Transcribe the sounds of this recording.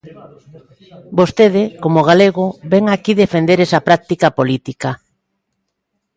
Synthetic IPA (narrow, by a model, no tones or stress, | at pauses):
bost̪eð̞ɪkomoɣ̞aleɣobɛŋakiðefend̪eɾesɐpɾak̚t̪ikapolit̪ika